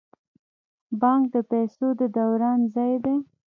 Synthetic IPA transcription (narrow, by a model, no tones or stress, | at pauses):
bɑŋk̚d̪əpɛsod̪əd̪awɾɑnzɑjd̪e